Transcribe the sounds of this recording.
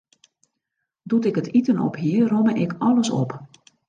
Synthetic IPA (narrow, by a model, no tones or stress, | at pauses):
dutɪkətitənɔ̰pɦiərɔməʔɪkʰɔləsɔ̰p